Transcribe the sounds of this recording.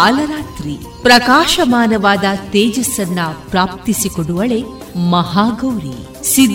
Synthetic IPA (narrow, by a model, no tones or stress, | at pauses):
aːlɐɾaːt̪ɾi | pɾɐkaːʃɐmaːnɐʋaːd̪ɐt̪eːd͡ʒɐsːɐnːɐpɾaːp̚t̪isikoɽuʋɐɭe̞ | mɐɦaːɡɐwɾi | sid̪